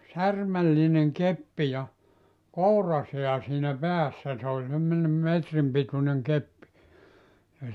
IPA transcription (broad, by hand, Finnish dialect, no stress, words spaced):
særmælːineŋ kepːi jɑ kourɑseæ siːnæ pæːsːæ se olʲ semːonʲem metrim pituneŋ kepːi jɑ